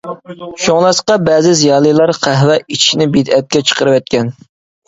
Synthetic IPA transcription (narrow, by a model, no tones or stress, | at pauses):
ʃoŋlˠɑsqɑbɛːzɪzijɑːlˠijlˠɑɾqʰæɦwɛʔit͡ʃʰiʃnɪbid̪ɛt̪̚kʲɛt͡ʃʰə̥qʰəɾɨwɛt̪̚kʲɛn